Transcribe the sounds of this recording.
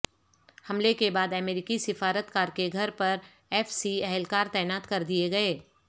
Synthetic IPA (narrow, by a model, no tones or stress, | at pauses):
hɐmlekebaːd̪ɐmeːɾikisɪfaːɾət̪kaːɾkeɡʱɐɾpɐɾ | ɛːfsiɛɦɛlkaːɾt̪ɛːnaːt̪kɐɾd̪ieɡɐeː